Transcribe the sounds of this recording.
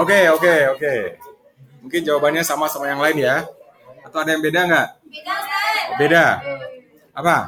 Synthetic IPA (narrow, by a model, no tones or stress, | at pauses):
okeokeoke | muŋkɪnd͡ʒawabanɲasamasamajaŋlaɪnja | at̪awadajaŋbedaŋɡaʔ | beda | ʔapa